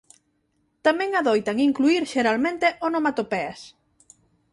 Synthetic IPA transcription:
t̪amɛ̃ŋaðojt̪aŋiŋkluiɾʃeɾalmẽnt̪eʔonomat̪opɛas

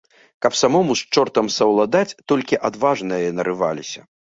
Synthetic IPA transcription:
kɐpsamɔmust͡ʂɔrt̪ɐmsɐwlˠad̪at͡sʲt̪ɔlʲkʲiʔad̪vaʐnɨjɐnɐɾɨvalʲisʲɐ̰

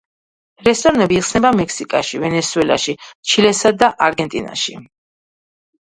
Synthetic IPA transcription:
ɾɛst̪ʼɔɾanɛbiːχsnɛbamɛksikʼa̰ʃivɛnɛsuɛla̰ʃit͡ʃʰilɛsad̪aʔaɾɡɛnt̪ʼḭna̰ʃi

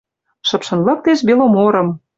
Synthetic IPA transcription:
ʃɤ̆pʃɤ̆nlɤ̆k̚t̪eʃbelomoɾɤ̆m

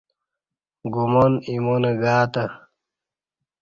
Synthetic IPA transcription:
ɡumonimoneɡaːt̪ɐ

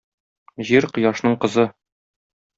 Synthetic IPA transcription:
ʑiɾqɤ̆jɑʃnɤɴqɤ̆zɤ

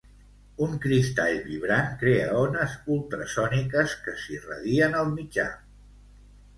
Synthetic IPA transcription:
uŋkɾist̪aʎβiβ̞ɾaŋkɾeəɔnəzulˠt̪ɾəsɔnikəskəsirə̰ðiənəlˠmid͡ʒa̰

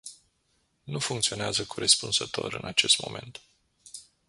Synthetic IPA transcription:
nufuŋkt̪sio̞neazəkʰuɾespunzət̪o̞̰ɾɨ̰nat͡ʃe̞st̪mo̞̰me̞nt̪

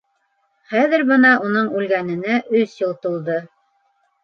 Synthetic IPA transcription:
χæðɘ̆ɾbɤnɑʔunɤɴʉlɡænɘ̆næʔɵsjolˠt̪ulˠd̪ɤ

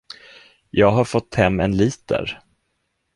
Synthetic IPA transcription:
jɑːɡɦaɾfɔt̪ʰːhɛmːɛnliːt̪ə̰ɾ

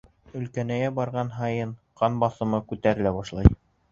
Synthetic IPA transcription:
ɵ̆lkænæjæbɑɾʁɑnɦɑjɤɴqɑnbɑθɤ̆mɤkʉt̪æɾɘ̆læbɑʃlˠɑj

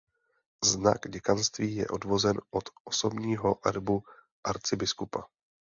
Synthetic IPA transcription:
zna̰ɡɟɛkanst̪viːjɛ̰ʔo̞dvo̞zɛnʔot̪ʔoso̞bɲiːɦo̞ʔɛɾbu | ʔaɾt͡sɪbɪskupa

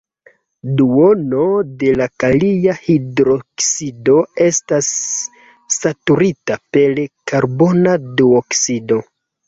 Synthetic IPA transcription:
duono̞de̞lakalijahidɾo̞ksido̞e̞stasː | atuɾitape̞lkaɾbo̞nadioksido̞

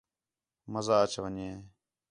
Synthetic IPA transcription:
məzaːət͡ʃʋəɲeː

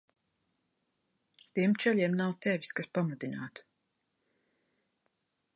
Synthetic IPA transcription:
t̪iɛmt͡ʃɛʎʲiɛmnawt̪ɛvʲiskaspamud̪inaːt̪u̥

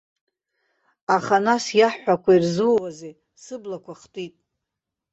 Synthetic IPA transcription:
aχanasjaħːakʷairzɨwwaze | sɨblakʷʰaχtʼitʼ

